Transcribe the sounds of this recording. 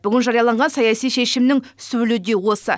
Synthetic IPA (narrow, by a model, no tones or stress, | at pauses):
b̥ʏɡʲɪnʒɑɾijɑlˠɑɴʁɑnsɑjɑsijʃe̞ʃɪmnɪŋ | sɵwɪlud̪e̞wo̞sə